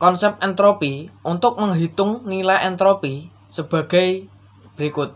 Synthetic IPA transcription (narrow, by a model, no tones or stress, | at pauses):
kɔnsɛp̚ɛnt̪ɾopiʔunt̪ʊk̚məŋɦit̪ʊŋnilajɛnt̪ɾopi | səb̥a̤ɡ̥a̤j | b̥ɾikʊt̪̚